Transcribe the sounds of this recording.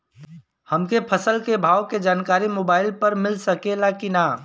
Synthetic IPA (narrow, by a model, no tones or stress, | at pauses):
hɐmkepʰəsəlkebʱaːwked͡ʒaːnkaːɾimoːbaːɪlpəɾmɪlsəkelakina